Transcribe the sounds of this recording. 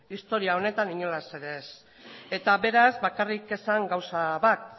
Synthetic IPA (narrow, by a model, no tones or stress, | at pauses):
ist̪o̞ɾiao̞ne̞t̪aniɲo̞lase̞ɾe̞s | e̞t̪aβe̞ɾazβakarike̞saŋɡawsaβat̪̚